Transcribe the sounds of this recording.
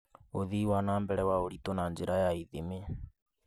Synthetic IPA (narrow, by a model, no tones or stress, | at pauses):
oðiːwanaːmbɛɾɛwaoɾitonand͡ʒeɾajaiðeme